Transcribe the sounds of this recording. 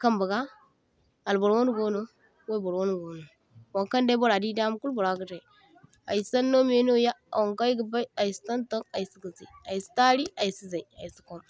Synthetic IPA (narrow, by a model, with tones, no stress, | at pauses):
ka˦mba˨ɡa˦ | a˨lbo˨ɾwo˦nu˦ɡo˦no˦ | wa˦˨bo˨ɾwo˦n˨ɡo˨no˨ | wo˨ŋka˦nda˦bo˦ɾa˨di˦da˦m˦ku˦lbo˨ɾa˦ɡə˦ta˨i˨ | a̰˨i˨sa˦nːo˦m˦e˦no˦ja̰˦˨wo˨ŋka˦i˦ɡə˨ba˦i˦a˨i˨si̥˨˦ta˦nto˦ŋa˨i˨si˦ɡə˨zḭ˨a˨i˨si̥˦ta˦ɾi˦a˨i˨si˦za˨i˨a˨i˨si̥˦ko˦m